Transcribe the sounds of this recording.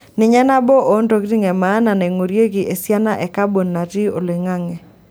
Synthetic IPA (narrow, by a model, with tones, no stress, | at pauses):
nɪ˨ɲɛ˦na˦bɔ˦ʔo˨˦nto˦ɡɾi˦ŋɛ˨maː˨˦na˨ne˨ŋo˨ɾje˦ɡɪ˨ʔe˨sja˦na˦ʔɛ˨ka˦bo˨nːa˨ti˦o˨lɪ˨ŋa˦ŋɛ˨